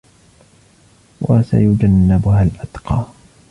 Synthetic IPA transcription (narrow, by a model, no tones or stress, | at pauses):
wʔasa̰jʊd͡ʒanːɪbʊhalʔad̪qɑː